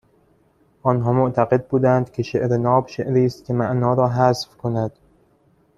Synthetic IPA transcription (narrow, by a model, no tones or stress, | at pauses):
ʔɒːnɦɒːmoʔt̪ʰæɣe̞d̪̚buːd̪ænd̪cʲʰe̞ʃeʔɾenɒːbʃeʔɾiːst̪̚kʰʲe̞mæʔnɒːɾɒːɦæsfkʰonæd̪̥